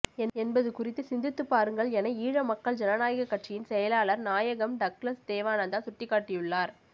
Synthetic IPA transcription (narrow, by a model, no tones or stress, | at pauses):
ɛɛnbɐðɯkʊrɪt̪ːɯsɪnd̪ɪt̪ːɯpːaːɾɯŋɡɐɭɛnɐɪiːɻɐmɐkːɐɭd͡ʒɛnɐnaːjɐɣɐkːɐʈʂɪjɪnsɛjɐlaːɭɐɾnaːjɐɣɐmɖɐklɐsd̪eːʋaːnɐnd̪aːsʊʈːɪkːaːʈːɪjʊɭːaːɾ